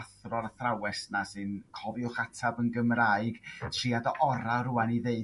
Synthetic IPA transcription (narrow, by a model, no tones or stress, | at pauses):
θrɔɾaθrawɛsnasɨnkʰɔviʊχatʰabənɡəmraɨɡ̥tʰriadɔʔɔɾaɾʊaniðeɨ